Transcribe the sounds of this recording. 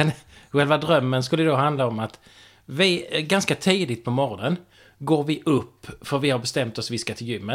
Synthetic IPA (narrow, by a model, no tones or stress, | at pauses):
ɛnɧɛlvad̪ɾœmːənskɵlːəd̪oːɦand̪laɔmat̪ | vɪɡanskat̪ʰiːd̪ɪt̪̚pʰɔmɔɾɔnən | ɡoːɾvɪʔɵpːfœɾvɪhaɾbɛst̪ɛmt̪ɔsvɪskat̪ʰɪljʏmːə